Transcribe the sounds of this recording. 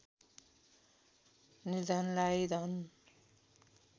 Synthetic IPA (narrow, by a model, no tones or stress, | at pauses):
nid̪ʌnlajid̪ʌn